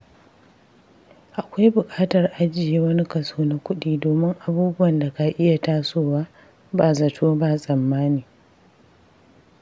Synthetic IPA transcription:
ʔa˨kʷa˦jbʊ˨kʼaː˦tɐ˨rʔa˦d͡ʒɪ˨jeː˦wɐ˦ni˦kɐ˨soː˦na˦kʷʊ˦ɗiː˦doː˨mɪ˦ŋʔa˨buː˦bʊ˦wɐ˨nda˨ka˨ʔɪ˦ja˨taː˦soː˦˨waː˦ | baː˨zɐ˨tʰoː˦baː˨sʼɐ˨mːaː˦niː˨

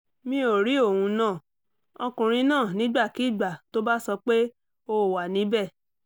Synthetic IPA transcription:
mĩ˧˦o˨ɾi˨˦o˦˨hũ˧˦nãː˦˨ | ɔ˧kũ˨ɾ̃ĩ˧nãː˦˨nĩ˨˦ɡ͡ba˦˨ki˨˦˨ɡ͡ba˨to˦ba˦sɔ˧k͡pe˦ | o˧˨wa˨nĩ˨˦bɛ˦˨

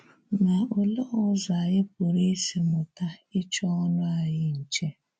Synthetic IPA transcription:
na˨ʊ˨lɔ˦ɔ˦za˨jɪ˦p̚ʊ˨ɾe˦si˨mʊ˨ta˦ɪ˦t͡ʃɔ˦ɔ˦nʊ˦a˨jɪ˦n̩˨t͡ʃe˦

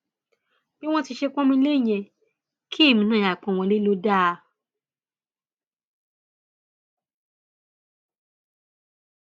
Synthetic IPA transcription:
b̥i˦w̃ɔ̃˦ti˧ʃe˧k͡pɔ̃˦mĩ˧le˦˨j̃ɛ̃˧˨ | kʰi˦e˦˨mĩ˧nã˦˨ja˨k͡pɔ̃˨wɔ̃˧˦le˦lo˦da˦˧

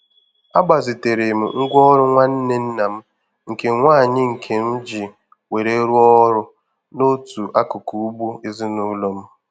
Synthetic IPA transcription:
a˦ɡ͡ba˨zi˨te˨ɾe˨m̩˨ŋ̩˦ɡʷɔ˦ɾʊ˦ŋʷa˦n̩˦ne˦n̩˦na˨m̩˦ | ŋ̩˨ke˨ŋʷa˦˨ɲɪ˦ŋ̩˨kʰe˨n̩˦d͡ʒi˨ | we˨ɾe˦ɾu˦ɔ˦ɾʊ˦ | no˦tu˨ʔa˦kʊ˨ku˨u˦ɡ͡bu˦i˦zi˦nu˦lo˦m̩˦

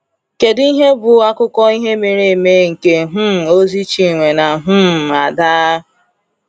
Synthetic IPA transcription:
ke˨di˦ɦe˦bʊ˨˦a˦kʊ˦kɔ˦i˦ɦe˦mi˨ɾe˨me˦ŋ̩˨ke˨ɦʊ˦˨o˦zi˦t͡ʃi˨ŋʷe˨na˨ɦʊ˦˨a˨daː˦

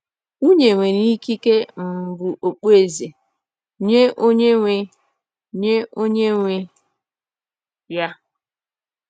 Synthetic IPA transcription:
u˦ɲe˨ŋʷe˨ni˦ki˦ke˦m̩˨bu˨ʔo˨k͡pe˨ze˨ | ɲe˦ʔo˦ɲe˦ŋʷe˨ | ɲe˦ʔo˦ɲe˦ŋʷe˦ | ja˦

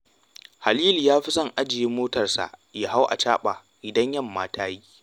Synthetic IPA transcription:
ha˨liː˦ljaː˦ɸi˦sɐ˦ŋʔa˦d͡ʒɪ˨jeː˦moː˦tɐ˨rsa̰˨ʔja˦ɦa˦wʔa̰˨t͡ʃaː˦ɓa˨ | ʔɪ˨dɐ˦ɲjɐ˦˨mːaː˦tʰaː˦ji˦

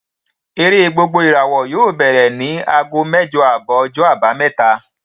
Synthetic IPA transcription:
e˧ɾe˦e˧ɡ͡bo˧ɡ͡bo˧i˨ɾa˨wɔ˨joː˨˦˨bɛ˨ɾɛ˨nĩ˨˦a˧ɡo˧mɛ˦d͡ʒo˧a˨bɔ˨˦d͡ʒo˦a˦˨ba˨˦mɛ˦˨ta˧

